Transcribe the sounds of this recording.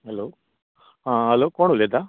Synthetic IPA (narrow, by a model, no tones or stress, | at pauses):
ɦɐloː | ãɦɐloːkoːɳuled̪a